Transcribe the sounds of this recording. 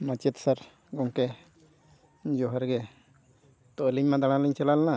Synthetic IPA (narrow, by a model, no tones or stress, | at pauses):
nat͡ʃit̪saɾ | ɡɔŋkɛ | ɲd͡ʒɔɦaɾɡɛ | t̪oʔliɲmãd̪aɽ̃ãliɲt͡ʃɛlalna